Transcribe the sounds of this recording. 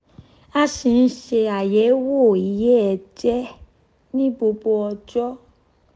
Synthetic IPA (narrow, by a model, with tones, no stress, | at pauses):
a˧ʃi˧n̩˦ʃe˧a˨jɛ˨˦wo˦˨i˨˦jɛ˦ɛ˨d͡ʒɛ˦ | nĩ˦bo˧bo˧ɔ˧d͡ʒɔ˦